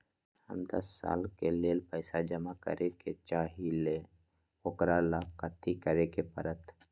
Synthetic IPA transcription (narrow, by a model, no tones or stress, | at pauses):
hə̰md̪əsːa̰ːlkeleːlpəɪsad͡ʒəmakə̰ɾʔeket͡ʃaːɦile | oːkɾalaːb̚kət̪ʰːikəɾekepəɾət̪